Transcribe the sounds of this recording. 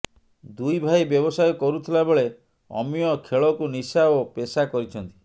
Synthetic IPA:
d̪ujbʱajbjɔbɔsajɔkɔɾut̪ʰilabeɭe | ɔ̰miɔkʰeɭɔkunisabɔpesakɔɾit͡ʃʰɔnt̪i̥

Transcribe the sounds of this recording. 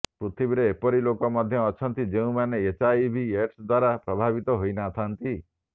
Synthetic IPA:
pɾut̪ʰibiɾeːpɔɾilokɔmɔd̪ʱjɔːt͡ʃʰɔnt̪id͡ʒeũmaneet͡ʃajbʱieɾsd̪waɾapɾɔbʱabit̪ɔɦojnat̪ʰant̪i

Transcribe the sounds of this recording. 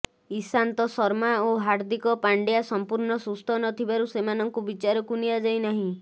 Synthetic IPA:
isant̪ɔsɔɾmaoɦaɾd̪ikɔpaɳɖjasɔmpuɾɳɔsust̪ʰɔnɔt̪ʰibaɾusemanɔŋkubit͡ʃaɾɔkuniad͡ʒajnaɦĩ

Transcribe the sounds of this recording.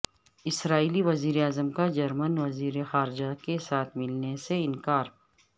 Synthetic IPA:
ɪsɾaːiːliʋɐziːɾeaːzəmkad͡ʒɐɾmənʋɐziːɾexaːɾɪd͡ʒakesaːt̪ʰmɪlneseɪnkaːɾ

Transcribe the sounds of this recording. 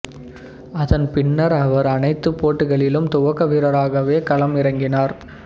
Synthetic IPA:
ɐðɐnpɪnːɐɾɐʋɐɾɐnɐɪt̪ːɯpːoːʈːɯɣɐɭɪlɯmt̪ʊʋɐɣɐʋiːɾɐɾaːɣɐʋeːkɐɭɐmɪɾɐŋɡɪnaːɾ

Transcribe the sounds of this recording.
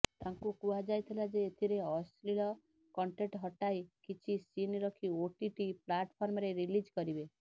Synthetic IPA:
t̪aŋkukuad͡ʒajt̪ʰilad͡ʒeːt̪ʰiɾeɔsliɭɔ | kɔɳʈeʈɦɔʈajkit͡ʃʰisinɾɔkʰioʈiʈiplaʈpʰɔɾmɔɾeɾilid͡ʒkɔɾibe

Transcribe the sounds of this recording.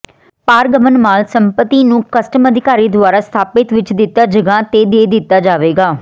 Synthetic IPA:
paːɾɡəmənmaːlsəmpət̪ːiːnũːkəsʈəməd̪ʱɪkaːɾiːd̪ʊaːɾaːst̪ʰaːpɪt̪ʋɪt͡ʃd̪ɪt̪ːaːd͡ʒəɡãːt̪eːd̪eːd̪ɪt̪ːaːd͡ʒaːʋeːɡaː

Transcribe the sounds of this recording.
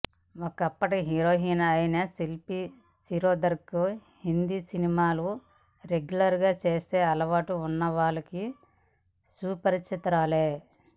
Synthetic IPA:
okɐpːɐʈiɦiɾoːɦiːnɐɐjinɐsilpi | siɾoːd̪ɐɾkːo | hind̪iːsinimaːlu | ɾeɡjulɐɾɡaːt͡ʃe̞ːse̞ːɐlɐʋaːʈuːnːɐʋaːɭɐki | suːpɐɾiɐt̪ɐɾaːleː

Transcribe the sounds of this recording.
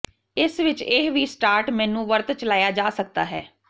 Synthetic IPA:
ɪsʋɪt͡ʃɪɦʋiːsʈaːɾʈmɛ̃ːnũːʋəɾt̪t͡ʃəlaːjaːd͡ʒaːsək̚d̪a̰ːɦɛː

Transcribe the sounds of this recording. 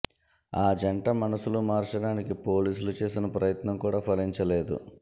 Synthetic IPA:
aːd͡ʒɐɳʈɐmɐnɐsulumaːɾt͡ʃɐɽaːnikipo̞ːliːsulut͡ʃe̞ːsinɐpɾɐjɐt̪nɐmkuːɽaːpʰɐliɲt͡ʃɐle̞ːd̪ṵ

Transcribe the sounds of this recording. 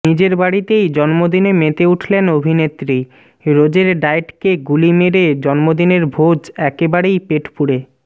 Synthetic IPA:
nid͡ʑeɾbaɽit̪ejd͡ʑɔnmod̪inemet̪euʈʰlenobʱinet̪ːɾi | ɾod͡ʑeɾɖajʈkeɡulimeɾed͡ʑɔnmod̪ineɾbʱod͡ʑɛkebaɽejpeʈʰpuɽe

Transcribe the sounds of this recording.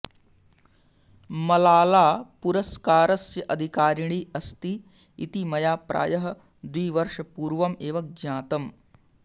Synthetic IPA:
mɐlaːlaːpuɾɐskaːɾɐsjɐʔɐd̪ʱikaːɾiɳ̃iːɐst̪ḭː | t̪imɐjaːpɾa̰ːjɐɦɐ | d̪ʋiːʋɐɾʂɐpuːɾʋɐmeːʋɐk̚d͡ʒaːt̪ɐm

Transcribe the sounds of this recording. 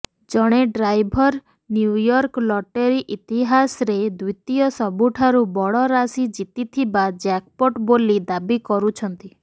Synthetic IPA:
d͡ʒɔɽ̃eɖɾajbʱɔɾ | njujɔɾklɔʈeɾiʔit̪iɦasɔɾed̪ujt̪ijɔsɔbuʈʰaɾubɔɭɔɾasid͡ʒit̪it̪ʰibad͡ʒak̚poʈbolid̪abikɔɾut͡ʃʰɔnt̪i

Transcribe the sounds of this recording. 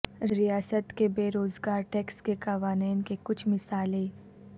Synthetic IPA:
ɾijaːsət̪kebeːɾoːzɡaːɾʈeːkskekɐʋaːniːnkekʊt͡ʃʰmɪsaːleː

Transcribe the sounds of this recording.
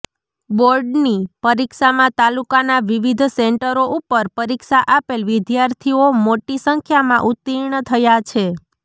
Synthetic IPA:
boɾɖnipəɾikʃamãt̪alukanaʋiʋid̪ʱseɳʈəɾoʔupəɾpəɾikʃaʔapelʋɪd̪jaɾt̪ʰiomoʈisəŋkʰjamãʔut̪ːiɳət̪ʰəjat͡ʃʰe

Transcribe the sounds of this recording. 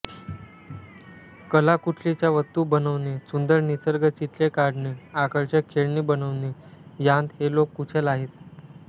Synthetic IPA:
kəlakuʈʰlit͡ɕjaʋət̪ːuːbənəʋnesund̪əɾnit͡səɾɡət͡ɕit̪lekaɽneakəɭt͡ɕekʰeɭnibənəʋnejãnd̪helokːuʈʰelaɦet̪

